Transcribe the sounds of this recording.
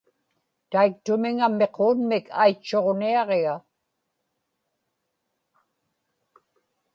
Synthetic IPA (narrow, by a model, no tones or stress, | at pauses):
t̪aik̚t̪ʊmɪŋamːe̞qʰoːnmɪkʰa̰jt͡ʃːo̞ʁniɑʁeɣa